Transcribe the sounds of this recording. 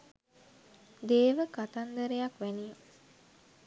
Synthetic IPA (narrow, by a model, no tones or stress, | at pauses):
d̪eːʋəkat̪and̪əɾejakʋæniju